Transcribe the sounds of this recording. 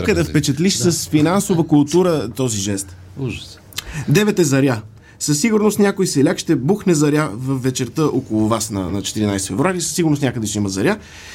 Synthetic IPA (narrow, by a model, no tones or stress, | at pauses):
kəd̪ɛfpɛt͡ʃət̪liʃsəsfinansovəkʊlˠt̪uɾət̪ɔziʒɛst̪ | ʒ̥ | d̪ɛvɛt̪ɛzɐɾja | sɐsːiɡʊɾnost̪nʲakojsɛlʲakʃt̪ɛbuxnɛzɐɾʲjavəfvːɛt͡ʃɛɾt̪əʔokʊlˠʊvasnɐ̰nɐt͡ʃɛ̥t̪iɾinajst̪fɛvɾuaɾisəsiɡʊɾnost̪nʲakəd̪ɛʃt̪ɛiməzɐɾʲa